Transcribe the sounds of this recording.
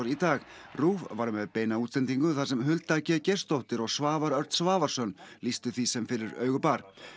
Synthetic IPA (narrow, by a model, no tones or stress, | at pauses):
ɾit̪aːɣ | ruːvvaɾmɛðpeːjnaut̪slɛnt̪iŋkʏθasɛmɦʏlt̪acɛcɛr̥st̪owht̪ɪɾɔɣsvaːvaɾœɾt̪svaːvaɾ̥sœnlist̪ʏθvisɛmfɪɾɪɾœːɥɣʏpaɾ̥